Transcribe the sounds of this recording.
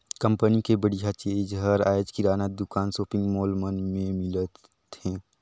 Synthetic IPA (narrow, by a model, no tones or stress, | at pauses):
kə̃mpənikebəɽijat͡ʃeːd͡ʒɦəɾaːjd͡ʒkiɾaːnəd̪ʊkaːnsoːpɪ̃ŋɡmoːlmənmẽmɪlət̪ | hɛ̃ː